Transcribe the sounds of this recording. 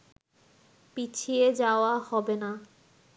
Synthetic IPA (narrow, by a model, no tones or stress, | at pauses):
pit͡ɕʰied͡ʑaoahɔbena